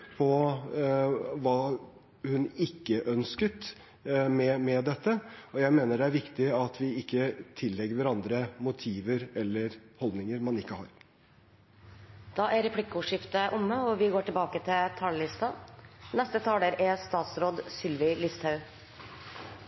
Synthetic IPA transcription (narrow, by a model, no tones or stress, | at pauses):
pʰɔ | ʋɑː | hʉnɪkːəʔœnskət̪ | mɛmɛd̪ɛt̪ːəɔjæɪmeːnəɖɛæɾʋɪkt̪ɪɑt̪ʰʋɪɪkːət̪ʰɪlːɛɡəɾʋæɾɑnd̪ɾəmʊt̪ʰiːʋəɾɛlːəɾhɔld̪nɪŋəɾmɑnɪkːəhɑːɾ | d̪̥ɑːʔæɾɛpʰlɪkːʊʂɪft̪əʔʊmːəɔʋɪɡoːʈɪlbɑːkət̪ʰɪlt̪ʰɑːləlɪst̪ɑnɛst̪ət̪ʰɑːləɾæst̪ɑːt̪sɾoːd̪sʏlʋɪlɪst̪hɑʉ